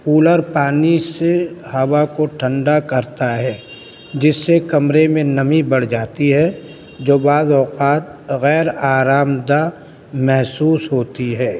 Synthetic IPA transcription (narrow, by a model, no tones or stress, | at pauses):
puːləɾpaːnisehɐwakoʈʰə̃ɳɖakɐɾt̪aɦɛː | d͡ʒɪsːekɐmɾemẽnɐmibɐɽ̤d͡ʒaːt̪iɦɛ | d͡ʒoːbaːzɔːqaːt̪̚ɣɛːɾaːɾaːmd̪a | mɛɦsuːsɦoːt̪iɦɛː